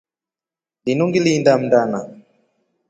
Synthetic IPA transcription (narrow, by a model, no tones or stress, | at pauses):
linuŋɡiliːndam̩ndana